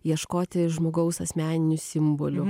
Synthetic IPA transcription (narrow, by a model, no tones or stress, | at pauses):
jiɛʃkoːt̪ʲɪʒmoːɡɐʊsɐsʲmʲæːnʲɪnʲʊsʲɪmboːlʲʊ